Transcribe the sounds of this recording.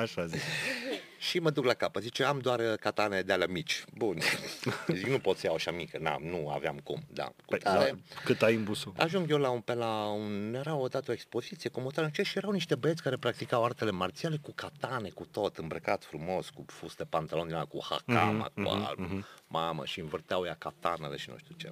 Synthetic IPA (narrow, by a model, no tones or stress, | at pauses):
aʃazis | ʃiməd̪uklakapət̪zit͡ʃeamd̪oarkat̪aned̪ealamit͡ʃʲbun | ziknupo̞t̪səjawaʃamikəna̰nua̰veamkṵmd̪a̰kut̪aɾekɨt̪ajɨmbusua̰ʒuŋɡjelaunpelaunjeɾawod̪at̪əoekspo̞zit̪sijekomot̪aɾənt͡ʃeʃijeɾawniʃt̪e̞bəet̪sʲkaɾe̞pɾak̚t̪ikawart̪ele̞mart̪siale̞kukat̪ane̞kut̪o̞t̪ɨmbɾəkat̪fɾumo̞skufusd̪epant̪alod̪inakuha̰ka̰ma̰kṵa̰lmamə̰ʃiɨnvərt̪eawjakat̪anḛle̞ʃinṵʃt̪ut͡ʃe